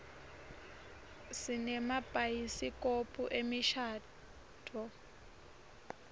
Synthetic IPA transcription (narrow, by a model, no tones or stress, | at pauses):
sinɛmab̥ʱʼajisikʼopʼuʔemiʃaː | tʰʼɔ